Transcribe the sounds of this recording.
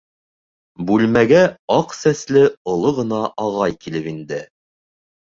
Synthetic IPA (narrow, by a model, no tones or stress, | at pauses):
bʉlmæɡæɑqsæslɘŏlˠoʁɤ̆nɑʔɑʁɑjkilɘpind̪ɘ